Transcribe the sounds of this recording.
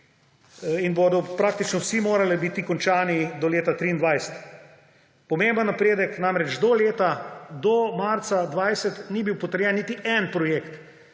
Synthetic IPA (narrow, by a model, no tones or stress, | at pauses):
inboːd̪ɔpɾaːk̚t̪it͡ʃnɔwsimoːɾalɛbit̪ikɔnt͡ʃaːnid̪ɔleːt̪at̪ɾiːnd̪ʋajsə̥t̪ | pɔmeːmbənːɐpɾeːd̪əknaːmɾɛd͡ʒd̪ɔleːt̪ad̪ɔmaɾt̪sad̪ʋajsət̪nibiwpɔt̪əɾjɛnːit̪iʔɛnpɾɔjekt̪